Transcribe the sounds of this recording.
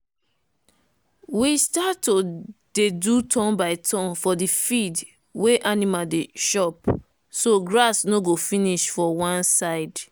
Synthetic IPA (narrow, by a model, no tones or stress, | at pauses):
wistatːodedutʰɔ̃nbaɪtʰɔ̃nfɔdifid | weʔanimadeʃɔp | soɡɹasnoɡofiniʃfɔwãnsaɪd